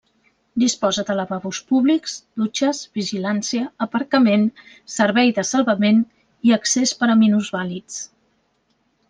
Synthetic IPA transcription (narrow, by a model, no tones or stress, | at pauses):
d̪ispɔzəd̪ələβaβuspuβlikz̥d̪̥ut͡ʃəzβiʒilansiəːpəɾkəmen | səɾβɛjðəsəlˠβəmen | iəksespəɾəminuzβalit͡s